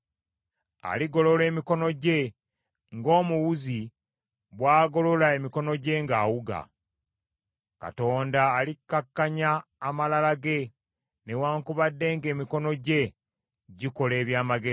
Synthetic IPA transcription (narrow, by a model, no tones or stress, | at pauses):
a̰liɡo̞lo̞le̞ːmiko̞no̞ɟe̞ | ŋɡo̞ːmuwuzi | βwaːɡo̞lo̞lae̞miko̞no̞ɟe̞ŋɡaːwuɡa̰ | ka̰to̞ːndaːlikːakːaɲaːmalalaɡe̞ | ne̞waːŋkuβadːe̞ːŋɡe̞ːmiko̞no̞ɟe̞ | ɟiko̞le̞ːβjaːmaɡe